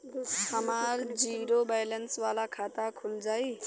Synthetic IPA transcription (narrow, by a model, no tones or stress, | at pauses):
həmaɾd͡ziɾobajlənsʋalakʰat̪akʰuld͡zai